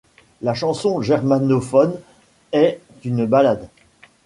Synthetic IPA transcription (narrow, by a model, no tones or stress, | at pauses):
laʃɑ̃sɔ̃ʒɛʁmanofɔn | ɛt̪ynbalad̪